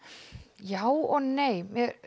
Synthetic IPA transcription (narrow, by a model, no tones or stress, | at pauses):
jaːwɔɣnejmjɛɾ